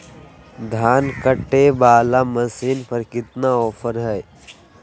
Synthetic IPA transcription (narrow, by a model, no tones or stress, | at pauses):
d̪ʱaːnkəʈːebaːlaməsiːnpəɾkɪt̪naɔːpʰəɾɦɛː